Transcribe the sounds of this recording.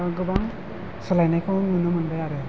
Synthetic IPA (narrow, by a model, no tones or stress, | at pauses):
ɡɯbaŋ | sɔlajnajkʰɯŋɯnɯmɯnbajaɾɯ